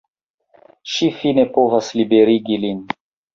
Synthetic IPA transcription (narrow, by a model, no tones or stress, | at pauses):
ʃifinepovaslibeɾiɡilin